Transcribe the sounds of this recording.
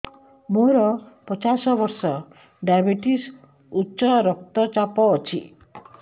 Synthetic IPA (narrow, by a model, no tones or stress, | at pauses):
moɾɔpɔt͡ʃasɔbɔɾsɔ | ɖajbiʈis | utːsɔɾɔk̚t̪ɔt͡ʃapɔːt͡ʃʰḭ